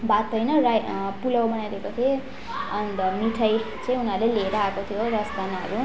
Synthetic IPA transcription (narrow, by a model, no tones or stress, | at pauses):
bat̪ʌjnʌrajpulawbʌnajɾʌkot̪ʰe | ʌnmiʈʰaj | t͡sãĩunaɾleleeɾʌakot̪ʰijorʌsd̪ʱanaʌ̰ɾu